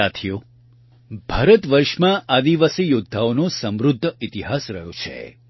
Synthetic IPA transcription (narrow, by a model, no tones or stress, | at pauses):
at̪ʰijo | bʱaːɾət̪ʋəɾʃmãʔad̪iʋasijud̪ʱːaonõsəmɾʊd̪ʱːəit̪iɦasɾəjõt͡ʃʰḛ